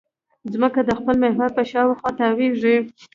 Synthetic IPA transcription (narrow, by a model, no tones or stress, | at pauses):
zməkad̪əxpəlmehwaɾpəʃɑwexwɑt̪aweʐi